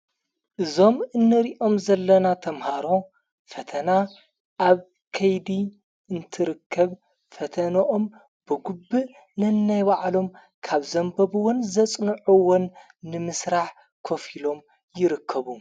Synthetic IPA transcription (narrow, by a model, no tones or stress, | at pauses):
ʔɨzo̞mɨnːɨɾiʔo̞mzɐlːɐnat̪ʰɐmhaɾo̞ | fɐt̪ʰɐna | ʔaβ | kʰɐjd̪i | ɨnt̪ʰɨɾɨkʰːɐβ | fɐt̪ʰɐnɐʔom | b̥ɨɡubːɨ | nɨnːajβaʕlo̞m | kʰaβzɐmbɐβɨwʊnzɐt͡sʼnɨʕuwonː | ɨmɨsɾaħ | kʰo̞filo̞m | jɪɾɨkʰːɐβu